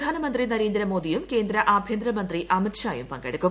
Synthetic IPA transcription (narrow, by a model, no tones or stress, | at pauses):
aːnɐmɐnd̪rinɐɾe̞ːnd̪ɾɐmoːd̪ijumke̞ːnd̪ɾɐʔaːbʱjeːnd̪ɾɐmɐnd̪riʔɐmit̪ɕaːjumpɐŋɡeɽukːu